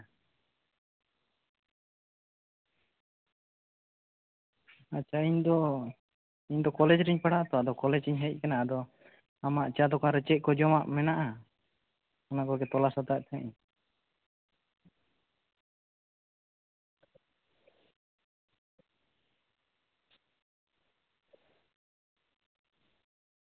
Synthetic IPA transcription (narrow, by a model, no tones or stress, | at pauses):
at͡ʃːʰaiɲd̪ɔ | iɲd̪ɔkɔlɛd͡ʒɾiɲpaɽaʔt̪ɔad̪ɔkɔlɛd͡ʒiɲɦɛc̚kanaʔad̪ɔ | amaʔt͡ʃad̪ɔkaɾət͡ʃɛʔ̚ˀkɔd͡ʒɔmaʔmɛnaʔa | ɔnakɔɡɛt̪ɔlasat̪aʔt̪ʰɛɲ